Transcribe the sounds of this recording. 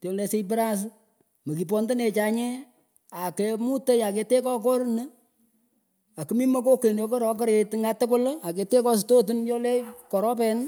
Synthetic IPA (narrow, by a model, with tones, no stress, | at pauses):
tjɔ˨lɛ˨se˦ipə˦ɾa˦s̬ | mo˨ki˨p̬ɔ˦nde˦ne˨t͡ʃa˨ɲɛ˦ | a˨ke˧mu˦te˦ja˨ke˧te˦kɔ˦kɔ˦ɾnə˦ | a˨kɨ˨mi˦mɔ˦ko˦ke˨no˨˦ko˦ɾɔ˨k̬ɔ˦ɾe˨tŋa˦tɪ˦kʊ˦la˨ke˧te˦kɔ˦s̬to˦tu˦njɔ˦le˦kɔ˨ɾɔ˦pɛ˨n